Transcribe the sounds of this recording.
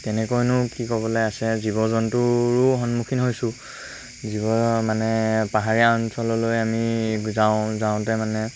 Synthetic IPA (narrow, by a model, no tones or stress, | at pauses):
tɛnɛkɔjnʊkikɔbɔlɔjasɛzibɔzɔntʊɹʊɦɔnmukʰinɦojsʊ | zibɔmanɛpaɦaɹijaɔnsɔlɔlojamizaʊ̃zaʊ̃tɛmanɛ